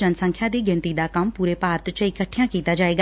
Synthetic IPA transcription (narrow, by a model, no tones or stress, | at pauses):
ənsə̃ŋkʰjãːd̪iːɡɪnt̪iːd̪aːkəmpuːɾeːpaːɾət̪t͡ʃɪkəʈʰːɪjãːkiːt̪aːd͡ʒaːeːɡaː